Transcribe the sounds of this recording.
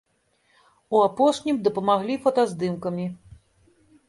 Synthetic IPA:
uapɔʂnʲimd̪ɐpɐmaɣlʲifɐt̪azd̪ɨmkɐmʲi

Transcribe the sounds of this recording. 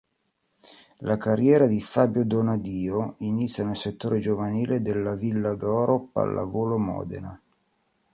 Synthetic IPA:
lʔakarːjɛːɾad̪ifaːbjod̪onad̪iːoinit̪sʲːjanelset̪ːoːɾed͡ʒovaniːled̪elːavilːad̪ɔːɾopa̰lːʔa̰voːlomɔ̰ːd̪ḛna̰

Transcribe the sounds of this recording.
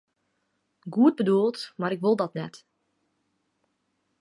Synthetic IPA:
ɡuəd̚bəduəlˠtmaɾɪkʋolˠdɔtnɛt

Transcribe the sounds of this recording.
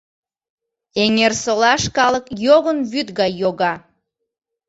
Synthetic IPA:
eŋersolɑʃkɑləkjoɣənβyt̪ɣɑjːoɣɑ

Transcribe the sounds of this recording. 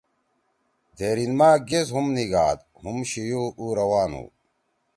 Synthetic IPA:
d̪ʱeːɾinmaːɡezɦumniɡaːd̪ | humɕijuuːɾɐwaːnṵː

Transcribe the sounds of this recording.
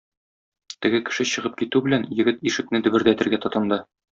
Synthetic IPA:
t̪ɘ̆ɡɘkɘ̥̆ʃɘɕɤ̆ʁɤp̚kit̪ʉbɘ̆lænjɘ̆ɡɘt̪iʃɘ̆k̚nɘd̪ɵ̆bɘ̆ɾd̪æt̪ɘ̆ɾɡæt̪ɒt̪ɤ̆nd̪ɤ

